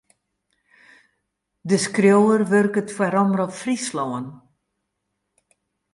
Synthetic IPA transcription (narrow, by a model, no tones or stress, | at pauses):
dəskrjowərʋørkətfwaɾɔmərɔpfrislɔən